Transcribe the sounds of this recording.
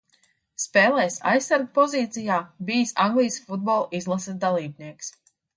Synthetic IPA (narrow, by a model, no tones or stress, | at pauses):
spɛːlˠɛːsa̰jsːaɾɡpɔziːt̪sijaːbijsaŋɡlˠijsfud̪̚bɔlˠizlˠasad̪alˠiːbniɛks